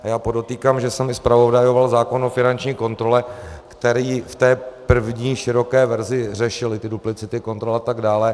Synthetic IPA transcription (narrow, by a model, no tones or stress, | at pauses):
ʔajaːpo̞do̞t̪iːkaːmʒɛsɛmɪspɾavo̞dajovalzaːko̞nofɪnant͡ʃɲiːko̞nt̪ɾo̞lɛkt̪ɛɾiːft̪ɛːpr̩vɲiːʃɪɾo̞kɛːvɛɾzɪr̝ɛʃɪlɪt̪ɪduplɪt͡sɪt̪ɪko̞nt̪ɾolat̪aɡdaːlɛ